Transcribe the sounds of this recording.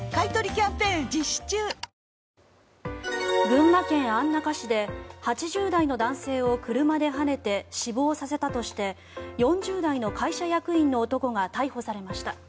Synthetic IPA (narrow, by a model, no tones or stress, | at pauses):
kait̪oɾʲikʲãmpẽ̞ːd͡ʑiɕi̥t͡ɕɨː | bɯ̟̃ŋːakẽ̞ɰ̃ãnːakaɕid̪e̞hat͡ɕiʑɨːd̪aino̞d̪ãɰ̃se̞ːo̞kɯ̟ɾɯ̟mad̪e̞ɦane̞t̪e̞ɕibo̞ːsase̞t̪at̪o̞ɕi̥t̪e̞ | jõ̞ɲ̟d͡ʑɨːd̪aino̞kʰaiɕajakɯ̟ĩnːo̞ːt̪o̞ko̞ɡat̪aiho̞saɾe̞maɕi̥t̪a